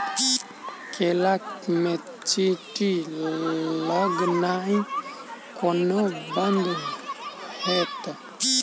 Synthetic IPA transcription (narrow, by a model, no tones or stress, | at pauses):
kʰelakme | t͡ʃiti | laɡnai | kʰɔnoband̪u | hɛt̪a